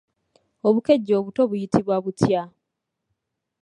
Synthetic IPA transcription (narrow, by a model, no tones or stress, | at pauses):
o̞βuke̞ɟːo̞ːβuto̞βujitiβwaβutja